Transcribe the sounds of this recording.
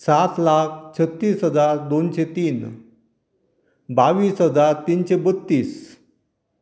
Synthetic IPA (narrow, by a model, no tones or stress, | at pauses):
sat̪lak̚ʰt͡ɕʰət̪ːiːsɦəd͡zaɾd̪onɕet̪iːn | baʋiːsɦəd͡zaɾt̪inɕebət̪ːiːs